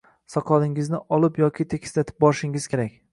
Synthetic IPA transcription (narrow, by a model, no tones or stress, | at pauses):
sɒqʰɒlɪŋɪznɪʔɒlˠɪpjɒkʲʰɪt̪ʰekʲʰɪ̥slat̪ʰɪ̥p̚bɒɾɪʃɪŋɪz̥kʲʰe̞ɾakʲ